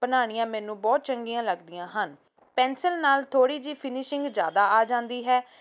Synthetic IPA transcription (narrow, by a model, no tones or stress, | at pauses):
bənaːɽ̃ɪjãːmɛːnũːbɔːt̪̚t͡ʃəŋɡijãːləɡd̪ɪjãːɦən | pɛːnsəlnaːlt̪ʰoːɽiːd͡ʒiːpʰɪnɪʃɪ̃ŋɡd͡ʒja̰ːd̪aːaːd͡ʒãːnd̪iːɦɛː